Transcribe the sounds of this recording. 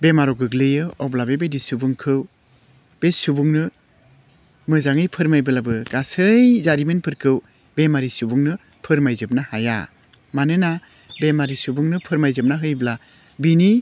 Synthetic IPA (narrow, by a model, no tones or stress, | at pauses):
bemaɾɔɡɯɡlɯjɯɔblabebedisubuŋkʰɯw | b̥esubuŋnɯ | mɯzaŋɯjpʰɯɾmajbɯlabɯɡasɯjzaɾimenpʰɯɾkʰɯw | bemaɾisubuŋnɯ | pʰɯɾmajzɯp̚nahaja̰ | manɯna | bemaɾisubuŋnɯpʰɯɾmajzɯp̚naɦɯjbla | bini